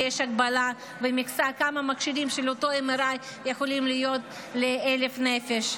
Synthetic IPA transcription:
eʃaɡbala | vemikt͡sakamamakʃidimʃelot̪o̞emeɾaj | jexo̞limlijo̞t̪̚ | leele̞fnefeʃ

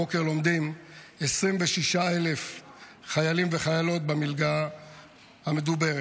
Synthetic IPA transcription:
okeʁlo̞md̪imesʁimveʃiʃaele̞f | χajalimveχajalo̞t̪̚bemilɡa | hame̞d̪ube̞ʁe

